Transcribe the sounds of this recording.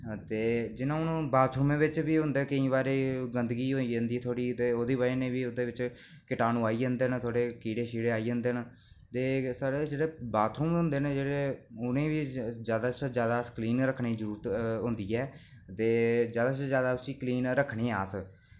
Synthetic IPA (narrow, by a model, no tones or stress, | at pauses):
t̪eːd͡ʒɪnãːʊnũːbaːt̪ʰɾumẽːʋɪt͡ʃʋiːɦʊ̃nd̪eːkəĩːβaːɾeːɡənd̪əɡiːɦoːiːd͡ʒə̃nd̪iːt̪ʰoːɽiːt̪eːoːd̪iːβaɾeːnẽːʋiːʊd̪eːʋɪt͡ʃ | kɪʈaːnũːaːiːd͡ʒənd̪eːnt̪ʰoːɽeːkiːɽeːʃiːɽeːaːiːə̃nd̪eːn | t̪eːsaːɽeːd͡ʒeːɽeːbaːt̪ʰuːmɦʊ̃nd̪eːnẽːd͡ʒeːɽeːʊnẽːʋiːzjaːd̪aːt͡ʃd͡ʒjaːd̪aːskliːnɾəkʰːɳiːzəɾuːɾət̪ɦʊnd̪iːɛː | t̪eːzjaːd̪aːt͡ʃzjaːd̪aːʊsiːkliːnɾəkʰːɳiːaːs